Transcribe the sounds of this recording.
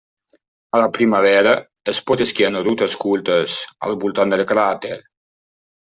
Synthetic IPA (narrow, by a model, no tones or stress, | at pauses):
alapɾimaβɛɾə | espɔt̪eskianɾut̪əskulˠt̪əsa̰lˠβulˠt̪and̪əlˠkɾat̪eɾ